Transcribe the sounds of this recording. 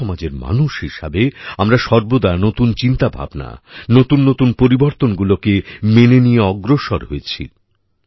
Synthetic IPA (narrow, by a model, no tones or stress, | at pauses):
ɔmad͡ʑeɾma̰nuʃhiʃabeamɾaʃɔɾbod̪anot̪unt͡ɕint̪abʱa̰bna̰not̪unːot̪unpoɾiboɾt̪onɡulokemenenijeɔɡɾoʃoɾɦoet͡ɕʰḭ